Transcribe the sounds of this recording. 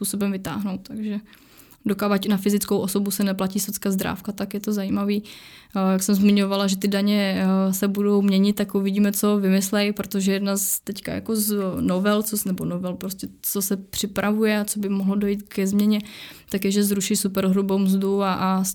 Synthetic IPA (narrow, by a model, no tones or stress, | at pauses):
puːsobɛmvɪt̪a̰ːɦno̞wt̪̚t̪aɡʒɛ | dokaːvacɪnafɪzɪt͡skowʔo̞so̞busɛnɛplaciːsot͡skazd̪ɾa̰ːfkat̪akjɛt̪ozajiːmaviːjaksɛmzmɪɲo̞valaʒɛt̪ɪdaɲɛsɛbudo̞wmɲɛɲɪt̪̚t̪ːakuvɪɟiːmɛt͡so̞vɪmɪslɛjpɾot̪oʒɛjɛdnazt̪ɛcka̰ja̰ko̞znovɛlt͡sonɛbonovɛlpɾoscɛt͡sosɛpr̥ɪpɾʔavujɛat͡sobɪmoɦlodo̞jiːt̪kɛzmɲɛɲɛ | t̪akjɛʒɛzɾuʃɪjsupɛɾɦɾubowmzduaʔ